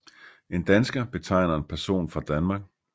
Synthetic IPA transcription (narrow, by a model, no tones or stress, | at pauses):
e̝nd̥ænsɡ̥ɐb̥e̝t͡sʰɑ̈ɪ̰nɐenpʰæɐso̝̰ːnfʁɑ̈d̥ænmɑ̈ːɡ̥̚